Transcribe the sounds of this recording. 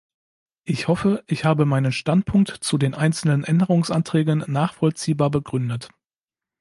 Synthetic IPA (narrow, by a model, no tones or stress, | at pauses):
ʔɪçhɔfəʔɪçhaːbəmaɪnənʃtant̚pʰʊŋk̚tt͡sudeːnʔaɪnt͡sl̩nənʔɛndəʁʊŋsʔantʁ̥ɛːɡənːaːχfɔlt͡siːbaːɐbəɡʁʏndət